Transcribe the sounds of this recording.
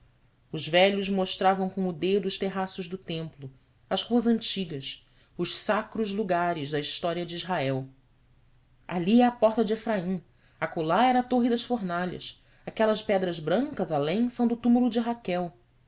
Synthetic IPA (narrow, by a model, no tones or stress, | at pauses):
ʊzvɛʎʊzmoʃt̪ɾavɐ̃w̃kõʊd̪ed̪ʊːʃt̪eɦasʊʒd̪ʊt̪ẽmplʊ | ɐzhuɐzɐ̃nt͡ʃiɡɐs | ʊʃsakɾʊʒluɡaɾɪzd̪ɐiʃt̪ɔɾiɐd͡ʒɪizɦaɛw | a̰liɛapɔχt̪ɐd͡ʒɪefɾaĩ | ɐkolaɛɾɐat̪oɦid̪ɐʃfoɾnaʎɐ̰s | akɛlɐʃpɛd̪ɾɐzbɾɐ̃ŋkɐzalẽj̃sɐ̃w̃d̪ʊt̪umulʊd͡ʒɪɦakɛw